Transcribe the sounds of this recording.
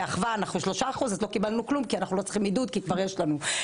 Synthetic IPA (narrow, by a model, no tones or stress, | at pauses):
aχvaːnaχnuʃlo̞ʃaːχuzt̪lo̞kibalnuklumkianaχnulo̞t͡sχimːid̪ud̪̚kikvaʁjeʃlanu